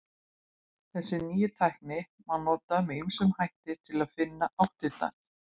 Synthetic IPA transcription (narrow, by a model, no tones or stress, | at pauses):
θɛsːɪniːjʏt̪ʰajhknɪ | manɔːt̪amɛiŋsʏmhajht̪ɪt̪ʰɪlaðfɪnːaʔawht̪ɪt̪a̰n